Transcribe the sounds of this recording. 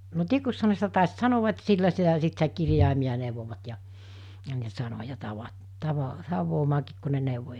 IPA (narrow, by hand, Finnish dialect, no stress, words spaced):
no tikuk̆shɑ ne sitæ tɑˑis sɑnoʋ̆ɑ et silːæ sitæ sit sitæ kirjɑˑimij̆ɑ neˑuʋoʋɑt jɑ jɑ ne sɑnojɑ tɑʋɑ tɑʋɑ tɑʋˑoːmɑːkiːk ku ne neˑuʋo